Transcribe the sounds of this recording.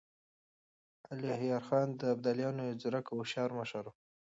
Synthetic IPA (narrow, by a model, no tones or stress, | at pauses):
alihjɑɾxɑnd̪əabd̪aljɑnoed͡zʊɾakawʃɑɾmaʃaɾo